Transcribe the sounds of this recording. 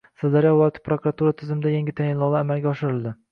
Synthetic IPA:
sɪd̪aɾjɒwɒt̪ʰɪ̥pɾokuɾat̪uɾat̪ʰɪzɪmɪd̪ajaŋɡʲɪt̪ʰajɪnlˠɒlˠaamalˠɡʲaɒʃɪɾɪlˠd̪ɪ

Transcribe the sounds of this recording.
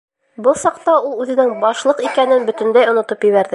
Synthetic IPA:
bɤlˠsɑqt̪ɑulˠʉðɘ̆nɘŋbɒʃlˠɤqikænɘnbɵ̆t̪ɵ̆nd̪æjŏnŏt̪ɤpjɘ̆βæɾðɘ

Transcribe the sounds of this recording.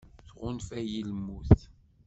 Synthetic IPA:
θʁʊnfæjilmːuθ

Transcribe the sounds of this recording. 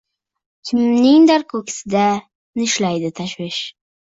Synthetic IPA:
kʲʰɪmnɪŋd̪aɾkʰɵkʰʲɪ̥sɪd̪a | nɪʃlajd̪ɪt̪ʰaʃwɪʃ

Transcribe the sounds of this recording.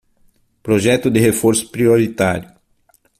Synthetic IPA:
pɾoʒɛt̪ʊd̪ɪhefoɾsʊ̥pɾioɾit̪aɾjʊ

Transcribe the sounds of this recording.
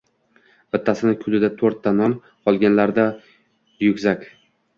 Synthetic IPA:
b̥ɪt̪ʰːasɪnɪkʲʰʊlɪd̪at̪ʰoɾt̪ːanɒn | qʰɒlˠɡʲanlaɾd̪a | jʊkʲzakʲ

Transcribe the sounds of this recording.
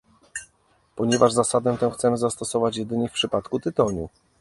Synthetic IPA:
pɔɲɛvaʐzasad̪ɛ̃t̪ɛ̃xt̪sɛmɘzast̪ɔsɔvat͡ɕjɛd̪ɘɲɛfpʂɘpat̪kut̪ɘt̪ɔɲu

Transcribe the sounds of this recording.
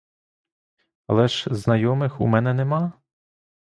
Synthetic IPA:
ɐlˠɛʃznɐjɔmɪxṵmɛnɛnemɑ

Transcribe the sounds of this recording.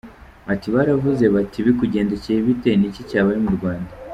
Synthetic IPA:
atiβaɾavuze̞βatʰiβikuɟe̞ːnde̞cejiβite̞nicicaːβaɾimuɾɡwaːnda

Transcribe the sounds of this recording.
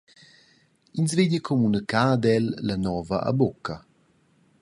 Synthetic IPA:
inzveɲəkʰɔmunəkaːd̪ɛlːanɔːvɐʔa̰bokɐ

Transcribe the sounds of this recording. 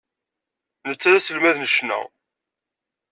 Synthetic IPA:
nət͡sːæðæsəlmæðnəʃnæ̰

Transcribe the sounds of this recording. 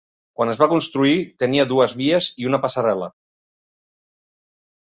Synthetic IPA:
kwanəzβakunst̪ɾuit̪əniəðuəzβiəziunəpasaɾɛlə̰

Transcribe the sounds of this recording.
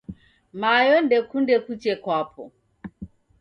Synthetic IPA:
majɔndɛkundɛkut͡ʃɛkwapʰɔ̰

